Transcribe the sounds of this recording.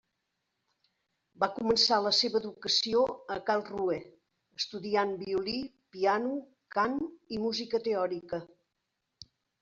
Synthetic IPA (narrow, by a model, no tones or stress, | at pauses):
bakumənsaləseβəːðukəsioəkalˠruɛ | əst̪uðianbiuli | pianu | kanimuzikət̪eɔɾikə